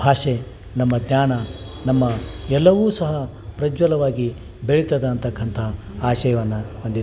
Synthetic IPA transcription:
bʱaːʂe | nɐmːɐd̪ɲaːɳɐ | nɐmːɐɛlːɐʋuːsɐɦɐ | pɾɐd͡ʒʋɐlɐʋaːɡi | beɭit̪ːɐd̪ɐnt̪ɐkʰːɐnt̪ʰɐ | aːʃɐjɐʋɐnːɐond̪i

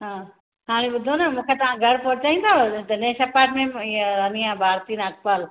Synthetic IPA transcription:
ɦãː | ɦaːɽ̃eɓʊd̪ʱonɐmũːkʰet̪ɐʋ̤ãɡʱɐɽpoɾt͡ɕaːĩnd̪at̪ɐnesɐpaːɾʈmẽɐniãbʱaːɾt̪iːnɐk̚pal

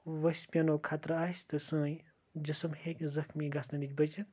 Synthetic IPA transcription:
ʋɐsʲpʲɐnoːkʰaːt̪ɾaːsʲt̪ɨsɨ̃ː | d͡ʒɐsɨmhekʲzɐxmiɡasɐnid͡ʒʲbɐd͡ʒit̪

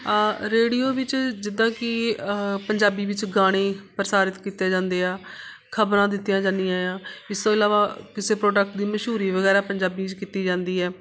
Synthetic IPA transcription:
ɾeːɖijoːʋɪt͡ʃd͡ʒɪd̪ãːkɪpəɲd͡ʒaːbiːʋɪt͡ʃɡaːɽ̃eːpəɾəsaːɾɪt̪kiːt̪ːjaːd͡ʒãːnd̪eːaː | kʰəbɾãːd̪ɪt̪ːijãːd͡ʒãːnd̪ijãːjãːɪst̪õːɪlaːʋaːkɪseːpɾoːɖək̚ʈd̪iːməʃɦuːɾiːʋəɡɛːɾaːpəɲd͡ʒaːbiːt͡ʃkiːt̪iːd͡ʒãːnd̪iːɦɛː

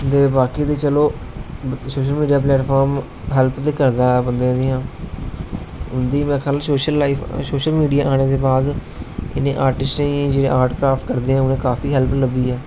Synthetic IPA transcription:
d̪eːbaːkiːt̪eːt͡ʃəloː | soːʃəlmiːɖijaːp̬lɛːʈpʰaːɾm | ɦɛlpt̪eːkəɾd̪aːɛːbənd̪ẽːd̪eːãː | ʊnd̪iːmɛ̃ːkʰəlsoːʃəlːaːiːfʰsoːʃəlmiːɖijaːʔaːɽ̃eːd̪eːbaːd̪ | ɪ̰nḛ̃ːʔaːɾʈɪsʈːĩːd͡ʒeːḛ̃ːʔaːɾʈkɾaːfʈkəɾd̪eːãːʊnẽːkaːfʰiːɦəlpləbiːɛː

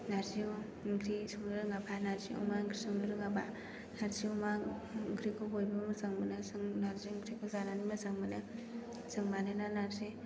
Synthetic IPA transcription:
naɾzio | ŋkʰɾisɯŋlɯɾɯŋabanaɾziṵmaŋkɾisɔŋlɯɾɯŋaba | naɾziumaŋɡʰɾikʰɔbojbɯmɯzaŋmɯnɯsɯŋnaɾziŋkʰɾikʰɯzananimɯzaŋmɯnɯ | sɯŋmanɯnanaɾzi

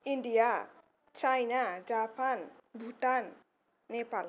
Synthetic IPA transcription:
inɖija | t͡ʃajnad͡ʒapanbʱuʈanː | epal

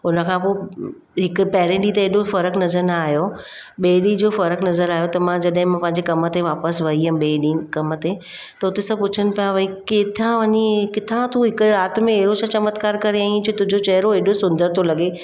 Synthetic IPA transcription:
ʊnə̆kʰãːpoː | ɦɪkpɐɦɪɾẽɗit̪ɐeːɗofɐɾəknɐzəɾnaːɦijoɓeːɗid͡ʑoːfɐɾəknɐzəɾaːjot̪ɐmãd͡ʑɐɗɦɪ̃mãpɐ̃ɦɪ̃ɲd͡ʑekɐmə̆t̪eʋaːpəsʋɐɦiɛ̃ɓeːɗiːkɐmə̆t̪e | t̪ɐʊt̪esɐb̚pʊt͡ɕʰənɪ̆pijaʋɐikɪt̪ʰãʋɐɲikɪt̪ʰãt̪uɦɪkɾaːt̪mẽeɦɾot͡ɕʰãt͡ɕɐmət̪kaːɾkɐɾeaːĩt͡ɕʰot̪ʊ̃ɦd͡ʑot͡ɕɐɦɾoeːɗosʊ̃nd̪əɾt̪ʰolɐɠe

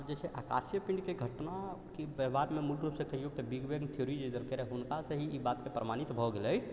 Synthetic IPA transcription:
d͡ʒɛt͡ʃʰɛʔaka̰sjəpiɳɖkeɡʱəʈnakebəbaɾmemulɾupsẽkəijoɡ̚t̪ebiɡbeɡnt̪ʰijoɾid͡ʒid̪əlkeɾɛɦunkasəɦiʔibat̪kepɾəmanit̪bʱɔɡeləj

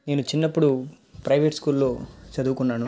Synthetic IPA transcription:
ne̞ːnut͡ʃinːɐpːuɽu | pɾɐjʋeʈskuːllo̞ːt͡ʃɐd̪uːkunːaːnu

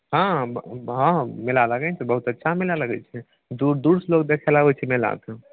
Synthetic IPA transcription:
ɦãbɦãmilaləɡɛt͡ʃʰɛbəɦut̪ətːʃʰamilaləɡɛ̰t͡ʃʰɛ | d̪uɾd̪uɾslokd̪ekʰɛlabɛt͡ʃʰɛmela̰t̪

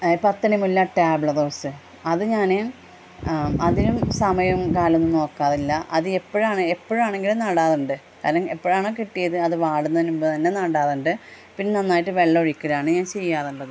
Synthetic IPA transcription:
pɐt̪ːɐnimulːɐʈaːbɭɐðoːsɨ | ɐðɨɲaːne | ɐðinumsɐmɐjɐmkaːlonːumno̞ːkːaːðilːɐʔɐðɨepːoɻumaːɳɨe̞pːoːɻumaːɳe̞ŋɡilunaːɽaːðuɳɖɨ | kaːɾɐŋepːoːɻmaːɳokiʈːijɐðɨɐðɨʋaːɽunːɐðinumbot̪ɐnːe̞naːɽaːðuɳɖɨ | pinːenɐnːaːjiʈːɨʋe̞ɭːɐoɻikʲːɐðaːɳɨɲaːnt͡ɕe̞jːaːðuɳɖɐðɨ

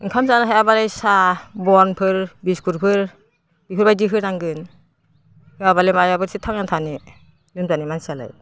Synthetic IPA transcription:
ŋkʰamzanaɦajabalajsabɔnpʰɯɾbiskʰuɾpʰɯɾ | b̥iɦɯɾbajdiɦɯɾnaŋɡɯn | hɯabalemajabɯɾsitʰaŋnatʰani | lɯmzanimansala̰j

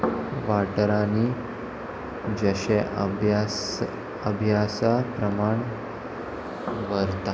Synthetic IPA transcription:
ʋaʈɾani | d͡ʑəɕeʔja | əbʱjasapɾəmaɳ | ʋəɾt̪a

